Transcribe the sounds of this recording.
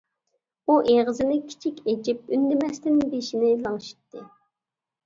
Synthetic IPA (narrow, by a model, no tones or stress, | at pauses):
uʔeʁəzɪnɪkʲʰi̥t͡ʃʰikʲed͡ʒip̚ynd̪ɪmɛst̪ɪnbeʃinɪlˠɑŋʃi̥t̪ːɨ